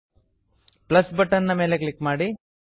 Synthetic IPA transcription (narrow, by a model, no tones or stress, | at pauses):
plɐsbɐʈːɐnːɐmeːlekɭikːmaːɽi